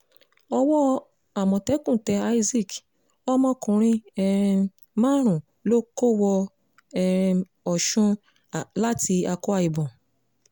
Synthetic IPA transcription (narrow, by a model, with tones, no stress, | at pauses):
ɔ˧wɔ˦ | a˦˨mɔ̃˨tɛ˨˦kũ˦˨tɛ˨˧a˧˦i˦zi˦˨k | ɔ˦mɔ̃˧kũ˨ɾ̃ĩ˧ɛ˧ | mã˦ɾ̃ũ˨ | lo˦ko˦˨wɔ˧ | ɛ˧ | ɔ˨ʃũ˦˨ | la˦ti˧a˧ko˦a˧˨i˨bɔ̃˨